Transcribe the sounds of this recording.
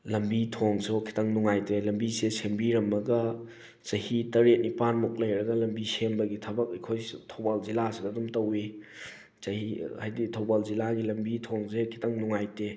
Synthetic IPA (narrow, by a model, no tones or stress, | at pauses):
lɐmbitʰoŋsokʰi̥tɐŋnuŋajtelɐmbisesembiɾɐmːɐɡɐ | t͡ʃɐhitɐɾet̚nipanmuk̚lɐjɾɐɡɐlɐmbisembɐɡitʰɐbɐk̚ɐjkʰojtʰɐwbalzilasidɐːdumtɐwi | zɐhihajditʰowbalzilaɡilɐmbitʰoŋsekʰi̥tʰɐŋnuŋajte